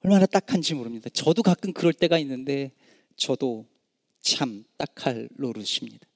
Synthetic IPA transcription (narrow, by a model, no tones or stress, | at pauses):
ʌɭmanat͈akʰand͡ʑimoɾɯmɲid̥at͡ɕʌdokak͈ɯnkɯɾʌɭt͈e̞ɡainːɯnde̞ | t͡ɕʌdo | t͡ɕʰamt͈akʰaɭːoɾɯɕʰimɲida